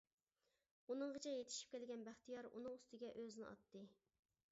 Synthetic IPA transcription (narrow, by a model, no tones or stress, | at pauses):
unɨŋʁət͡ʃʰɛjet̪ʰɪ̥ʃi̥p̚kʲʰɛlɡʲɛnbæχt̪ʰijɑɾṵnɨŋust̪ɨɡʲɛʔøznɪɑ̰t̪ːɨ